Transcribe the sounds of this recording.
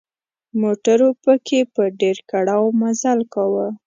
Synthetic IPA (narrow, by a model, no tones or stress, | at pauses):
moʈaɾopəkʰepəɖeɾkaɽawmazalkawə